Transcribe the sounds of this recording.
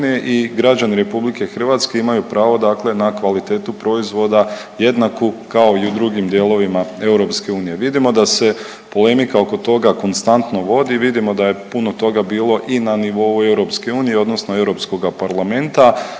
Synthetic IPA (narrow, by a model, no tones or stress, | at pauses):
ijeʔiɡɾad͡ʒaniɾe̞publike̞xr̩ʋat̪ske̞imajupɾʔaːʋo̞d̪aːkle̞nakʋalit̪e̞ːt̪upɾo̞izʋo̞d̪a | je̞d̪nakukao̞iud̪ɾuɡimd̪je̞ːlo̞ʋimae̞wɾo̞pske̞uːnije̞ʋid̪imo̞d̪ase̞ | po̞le̞mikao̞ko̞t̪o̞ɡako̞nst̪ant̪no̞ʋo̞d̪iʋid̪imo̞d̪aje̞puno̞t̪o̞ɡabiːlˠo̞ʔinaniʋo̞ue̞wɾo̞pske̞uːnije̞o̞d̪no̞sno̞e̞wɾo̞psko̞ɡapaɾlˠame̞nt̪a